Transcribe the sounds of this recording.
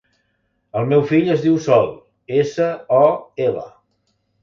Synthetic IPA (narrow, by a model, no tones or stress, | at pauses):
əlˠmewfiʎəzðiwsɔlˠ | esəɔelə̰